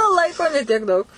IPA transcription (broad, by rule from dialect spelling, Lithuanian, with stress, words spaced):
ˈlˠɐɪkoː nʲɛ tʲiɛk ˈdɐʊk